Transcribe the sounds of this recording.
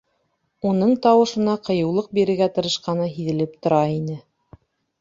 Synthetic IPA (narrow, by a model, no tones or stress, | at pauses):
unɤɴt̪ɑwɤ̆ʃɤ̆nɑqɤ̆jɤ̆wlˠɤq̚biɾɘ̆ɡæt̪ɤ̆ɾɤ̆ʃqɑnɤɦiðɘ̆lɘp̚t̪ŏɾɑinɘ